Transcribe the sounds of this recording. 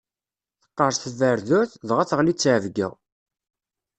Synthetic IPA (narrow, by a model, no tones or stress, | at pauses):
θə̥qːəɾˤsθəvəɾðʊɾθðʁæθʁlit͡sːʕəvɡə̰ʁ